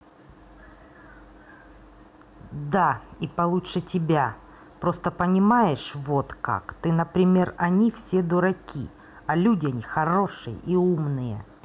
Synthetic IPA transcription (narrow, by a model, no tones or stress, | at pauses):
d̪aipɐlˠut͡ʃʂɨtʲɪbʲa | pɾo̞st̪əpənʲɪmajɪʂvot̪ka̰kt̪ɨnəpɾʲɪmʲe̞rɐnʲifsʲe̞d̪ʊɾɐkʲḭ | ɐlʲudʲɪɐnʲixɐɾo̞ʂɨjə̰ʔiumnɨjə̰